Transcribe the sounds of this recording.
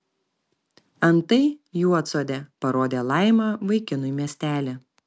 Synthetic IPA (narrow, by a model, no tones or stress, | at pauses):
ɐnt̪ɐɪjuɔt̪soːd̪ʲepɐɾoːd̪ʲeːlˠɑˑɪmɑːʋɐɪkʲɪnʊɪmʲiɛsʲt̪ʲæːlʲe